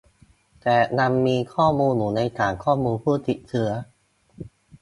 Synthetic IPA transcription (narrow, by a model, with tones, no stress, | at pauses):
t̪ɛː˨˩na˧mːiː˧kʰɔː˥˩muː˧nhuː˨˩˦nːa˧jt̪aː˨˩ŋkʰɔː˥˩muː˧npʰuː˥˩t̪i˨˩t̪̚t͡ɕʰɯ˦˥ɐ